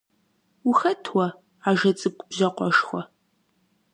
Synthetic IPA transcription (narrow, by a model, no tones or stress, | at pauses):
uxɐtʰwɔ | aʒɐt͡sʼɨp̚kʷʼʊbʑɐqʷʼɔʃxʷɔ